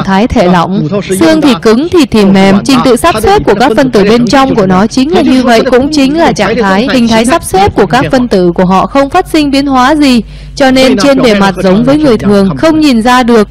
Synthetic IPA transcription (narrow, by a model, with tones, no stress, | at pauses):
t̪ʰaː˨˦jt̪ʰe˧˩lɔ̰˧˨wŋ͡msɨ˧əŋt̪ʰi˨˩kɨ˨˦ŋt̪ʰi˨˩t̪ʰi˨˩mːɛ˨˩mt͡ɕï˨˧˦ŋ̟t̪ɨ̰˧˨sa˦˥p̚se˦˥p̚ku˧˩əkaː˦˥k̚fə˧nt̪ɨ̰˧˩ɓe˧nt͡ɕɔ˧wŋ͡mku˧˩ənɔ˨˦t͡ɕï˨˦ŋ̟laː˨˩ɲɨ˧və̰˧˨jkʊ̰˧˥ŋ͡mt͡ɕï˨˦ŋ̟laː˨˩t͡ɕa̰ː˧˨ŋt̪ʰaː˨˦jhï˨˩ŋ̟t̪ʰaː˨˦jsa˦˥p̚se˦˥p̚ku˧˩əkaː˦˥k̚fə˧nt̪ɨ̰˧˩˨ku˧˩əɦɔ̰˧˨xə˧wŋ͡mfaː˦˥t̚sï˧ŋ̟ɓi˨˦ənɦwaː˨˦zi˨˩ | t͡ɕɔ˧ne˧nt͡ɕe˧nɓe˨˩ma˨˩t̚zə˨˦wŋ͡mvəː˨˦jŋɨ˨˩əjt̪ʰɨ˨˩əŋxə˧wŋ͡mɲi˨˩nzaː˧ɗɨ˨˩ək̚